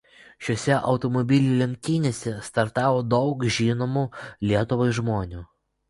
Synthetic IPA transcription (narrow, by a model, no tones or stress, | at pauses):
ʃʲoːsʲɛʔɒʊt̪ɔmɔbʲɪlʲulʲɛŋʲk̚ʲt̪ʲiːnʲeːsʲɛst̪ɐɾt̪ɑːʋoːd̪ɒʊkʒʲiːnoːmuːlʲiɛt̪ʊʋɔɪʒmoːnʲuː